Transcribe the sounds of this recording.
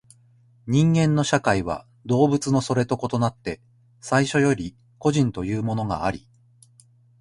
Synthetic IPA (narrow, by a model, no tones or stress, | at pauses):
ɲ̟ĩŋɡẽ̞nːo̞ɕakaiβa̰ | d̪o̞ːbɯ̟t͡sɨno̞so̞ɾe̞t̪o̞ko̞t̪o̞nat̪ːe̞ | saiɕo̞jo̞ɾʲi | ko̞ʑĩnt̪o̞jɯ̟ːmo̞no̞ɡa̰ːɾʲḭ